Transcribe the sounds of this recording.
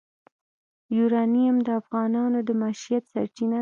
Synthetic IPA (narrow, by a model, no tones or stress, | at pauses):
juɾɑnijamd̪əafɣɑnɑnod̪əmaʃijat̪sa̰ɾt͡ʃina